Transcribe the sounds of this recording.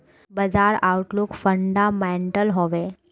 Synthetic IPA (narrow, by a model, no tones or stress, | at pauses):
bəd͡zaɾawʈlukfəɳɖamẽɳʈəlɦoʋe